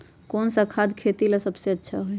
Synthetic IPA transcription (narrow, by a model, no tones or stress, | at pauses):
konsəkʰad̪kʰet̪ilasəbseətːʃʰaɦoj